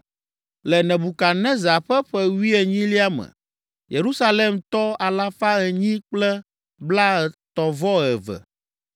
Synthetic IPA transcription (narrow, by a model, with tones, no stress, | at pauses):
lɛ˨nɛ̃˨bu˨ka˨nɛ̃˦za˨ɸɛ˦ɸɛ˦wi˦ɛ˨ɲĩ˦li˦a˦mɛ̰̃˨ | je˨ɾu˦sa˦le˦mt̪ɔ˦a˨la˦fa˦ɛ˨ɲĩ˦k͡plɛ˦ | bla˦ɛ˨t̪ɔ˨vɔ˦ɛ˨vɛ̰˨